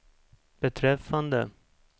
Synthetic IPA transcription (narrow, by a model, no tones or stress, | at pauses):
b̥ɛt̪ʰɾɛfːand̪ə